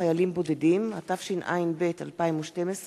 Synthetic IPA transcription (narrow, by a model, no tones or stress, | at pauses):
ajalimbo̞dedimhatafʃinʔa̰jinbe̞talpaimuʃte̞mes